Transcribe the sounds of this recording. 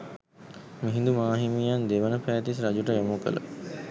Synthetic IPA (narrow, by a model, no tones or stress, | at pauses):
miɦĩnd̪umaːɦimijand̪eʋənəpæːt̪is̬ɾad͡ʒuʈəjomukə̰lə̰